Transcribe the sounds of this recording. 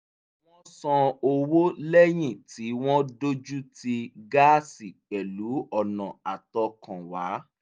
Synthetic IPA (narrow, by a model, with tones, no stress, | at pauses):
w̃ɔ̃˦sɔ̃˧o˧wo˦lɛ˦j̃ĩ˦˨ti˨˦w̃ɔ̃˦do˦d͡ʒu˦ti˧ɡa˦si˨k͡pɛ˨lu˨˦ɔ˦˨nã̰˨a˨tɔ˧kã˨wa˨˦